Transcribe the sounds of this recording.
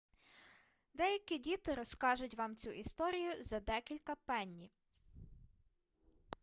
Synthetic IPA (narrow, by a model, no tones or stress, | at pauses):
d̪ɛjɐkʲidʲit̪ɪɾɔskɑʒʊtʲʋɑmt͡sʲuʔist̪ɔɾʲijʊzɐd̪ɛkʲilʲkɐpɛnʲːi